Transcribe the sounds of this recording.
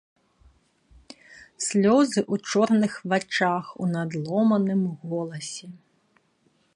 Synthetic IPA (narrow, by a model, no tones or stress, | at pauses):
sʲlʲɔzɪʔut͡ʃɔrnɪxʋɐt͡ʃɑxunɐd̪lˠɔmɐnɪmɦɔlˠɐsʲi